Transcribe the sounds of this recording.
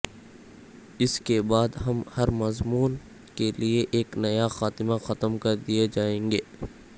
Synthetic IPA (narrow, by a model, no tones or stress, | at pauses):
ɪskebaːd̪ɦɐmhɐɾmɐzmuːn | kelieʔeːknɐjaxaːt̪ɪmaxɐt̪əmkɐɾd̪ijed͡ʒaːẽːŋɡeː